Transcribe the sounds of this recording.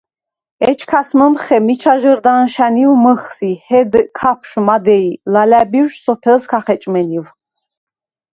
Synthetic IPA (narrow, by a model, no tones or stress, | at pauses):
ɛt͡ʃʰkʰasməmχɛmit͡ʃʰaʒəɾd̪anʃæniwməχsihɛd̪kʰapʰʃmad̪ɛilalæbiwʃsɔpʰɛlskʰaχɛt͡ʃʼmɛniw